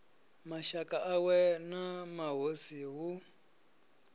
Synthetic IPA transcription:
maʃakʼaʔawɛnamaɦosiɦu

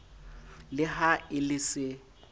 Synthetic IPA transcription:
lɪhaɪlɪsɪ

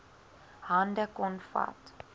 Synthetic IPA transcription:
handəkɔnfa̰t

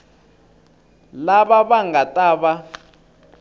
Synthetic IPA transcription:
laβaβaŋɡatʼaːβa

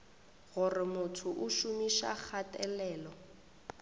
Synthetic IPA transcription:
ɣʊrɪmʊtʰʊʔʊʃumiʃa̰k͡xʰatʼɛlɛːlɔ

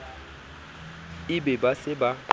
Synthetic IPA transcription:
ɪbɛbasɪba

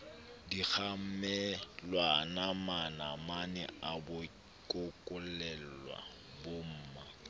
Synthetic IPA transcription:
dik͡xʰam̩mɛlwanamanamanɛabʊ | kʼʊkʼʊllɛl̩lwa̰ | bom̩ːma

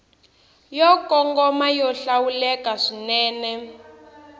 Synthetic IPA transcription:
jɔkɔŋɡɔmajɔɬawulɛkaʂinɛːnɛ

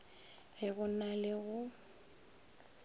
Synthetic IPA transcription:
hɪɣʊnalɪɣʊ

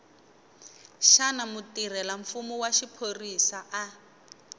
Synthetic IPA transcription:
ʃanamutir̤ɛlaɱfumuwaʃipʰorisaʔa

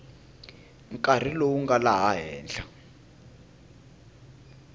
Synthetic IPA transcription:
ŋ̩kʼar̤ilowuŋɡalaɦaɦɛːnɬa

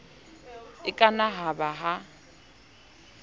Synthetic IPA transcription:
ɪkʼanaɦabaɦa

